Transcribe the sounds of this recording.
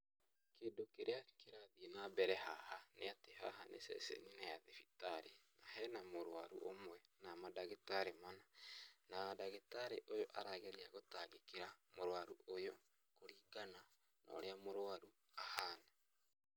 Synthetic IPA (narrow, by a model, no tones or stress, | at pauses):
keːdokeɾeakeɾaðienabɛɾɛɦahaneateɦa̰ɦanḛsɛ̰sḛninajaðefitaɾenaɦɛnamoɾwaɾuʔomwɛnamadaɣetaɾemananadaɣetaɾeʔojoʔaɾaɣeɾiaɣotaɣekeɾamoɾwaɾuojɔ | koɾiːɡana | nɔ̰ːɾeamoɾwaɾu | ahaːna